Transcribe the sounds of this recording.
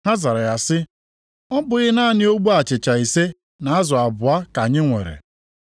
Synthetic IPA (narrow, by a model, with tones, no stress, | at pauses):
ɦa˦za˨ɾa˨ja˨sɪ˦ | ɔ˦bʊ˨ɣɪ˦na˦˨nɪ˦o˦ɡ͡bu˦a˨t͡ʃɪ˨t͡ʃa˨i˨se˦ | na˨a˦zɔ˨a˨bʊ˨a˦ka˨ɲɪ˦ŋʷḛ˨ɾḛ˨